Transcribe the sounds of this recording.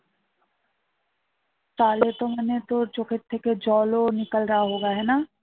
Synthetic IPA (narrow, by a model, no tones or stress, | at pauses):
t̪aːlet̪omɐnet̪oɾt͡ʃokʰeɾt̪ʰːeked͡ʒɔːlonikəlɾaɦaɦoːɡaɦɛna